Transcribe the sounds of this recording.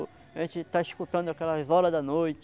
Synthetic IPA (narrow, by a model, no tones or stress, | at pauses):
ʒẽnt͡ʃɪt̪aiskut̪ɐ̃nd̪ʊakɛlɐzɔɾɐd̪ɐnojt͡ʃ